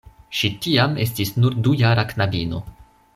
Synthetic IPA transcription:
ʃitiame̞s̬tisnuɾdujaɾaknabino̞

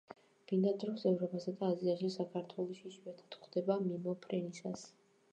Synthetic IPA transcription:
b̥ind̪ad̪ɾɔsɛvɾɔpʰasad̪aːziaʃisakʰaɾt̪ʰwɛlˠɔʃiʃiɛt̪ʰḁt̪χwd̪ɛbamimɔpʰɾɛnisas

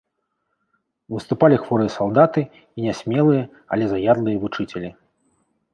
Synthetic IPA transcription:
vɨst̪upalʲixvɔɾɨjɐsalˠd̪at̪ɨ | inʲɛsʲmʲɛlˠɨjɐ | ɐ̰lʲɛzajad̪lˠɨjɐvut͡ʂɨt͡sʲɛlʲi

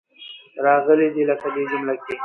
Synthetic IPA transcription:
ɾɑɣəled̪iləkad̪ed͡ʒumlake

